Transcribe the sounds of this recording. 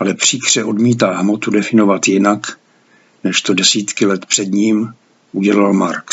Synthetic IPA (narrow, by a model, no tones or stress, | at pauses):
ʔalɛpr̝̥iːkr̝̥ɛʔo̞dmiːt̪aːɦmot̪udɛfɪno̞vat̪jɪnak | nɛʃt̪o̞dɛsiːt̪kɪlɛt̪pr̥ɛdɲiːm | ʔuɟɛlalmaɾk